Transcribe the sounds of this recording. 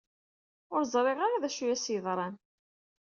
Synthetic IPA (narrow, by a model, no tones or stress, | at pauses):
ʊɾzˤɾˤeʁaɾaðæʃujæsjəðˤɾˤɑn